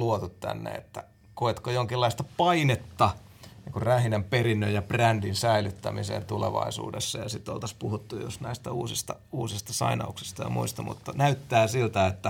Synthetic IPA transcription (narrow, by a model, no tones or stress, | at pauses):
luot̪ut̪t̪æ̰nːḛḛt̪ːæ | koet̪kojoŋkilːɑist̪ɑpɑinet̪ːɑ | niːŋkurræhinæmperinːøjjɑprændinsæilyt̪ːæmisḛːnt̪ulḛʋɑ̰isṵːdesːɑjɑsit̪ːo̰lt̪ɑspuhut̪ːujosnæist̪æuːsist̪ɑuːsist̪ɑsɑ̰inɑ̰uksi̥st̪ɑjɑ̰mʔṵist̪ɑmṵt̪ːɑnæyt̪ːæːsilt̪æet̪ːæ